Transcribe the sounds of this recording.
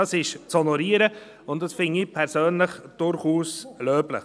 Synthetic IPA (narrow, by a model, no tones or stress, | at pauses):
ɑsɪʃt͡shɔnɔɾiːəɾə | ʊntdɑsfɪnɪpʰɛɾsøːnləχd̥ʊɾχuːsløːblə̰